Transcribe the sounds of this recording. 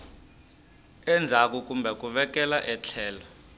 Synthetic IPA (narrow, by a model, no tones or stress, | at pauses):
ɛnd͡zʱak̬uk̬umbʱɛk̬ʼuɓɛk̬ʼɛlaʔɛt͡ɬʰɛːlɔ